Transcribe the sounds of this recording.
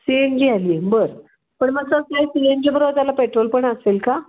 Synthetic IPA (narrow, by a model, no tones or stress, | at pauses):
siend͡ʑialiebəɾ | pəɳməɡsəsaisiend͡ʑibəɾəbəɾt̪jalapeʈɾolpəɳəselka